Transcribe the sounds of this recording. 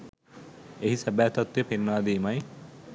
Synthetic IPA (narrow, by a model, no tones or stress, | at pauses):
eɦisæbæːt̪at̪ːjepenːaːd̪iːmaj